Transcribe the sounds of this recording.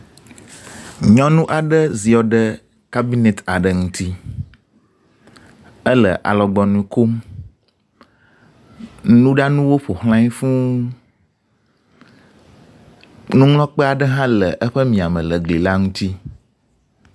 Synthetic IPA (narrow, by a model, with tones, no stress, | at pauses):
ɲɔ̃˦nũ˦ʔa˨ɖə˦zi˨ɔ˨ɖə˦ | ka˦bi˦ne˨t̪a˨ɖə˨ŋũ˦t̪i˦ | ə˦lə̰˨ʔa̰˨lɔ˨ɡ͡bɔ˨nũ˨i˨ko˦m | nũ˦ɖa˦nũ˦wo˦ɸo˨hl̃ã˦i˦fũ˦ | nũ˦ŋlɔ̃˦k͡pə˦a˨ɖə˦ɦã˦lə˨ʔə˦ɸə˦mĩ˨a˨mə̃˨lə˨ɡli˨la˦ŋũ˦t̪i˦